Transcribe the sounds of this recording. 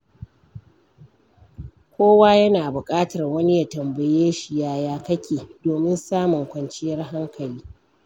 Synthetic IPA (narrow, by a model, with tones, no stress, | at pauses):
kʷoː˦waː˦jɐ˦naː˨bʊ˨kʼaː˦tɐ˨rwɐ˦ni˦ja˨tɐ˨mbɐ˨jeː˦ʃi˨jaː˦jaː˦kɐ˦kʲʰeː˨doː˨mɪ˦nsaː˦mʊ˨ŋkʷɐ˨nt͡ʃɪ˦jɐ˦rɦa˦ŋkʰɐ˨liː˦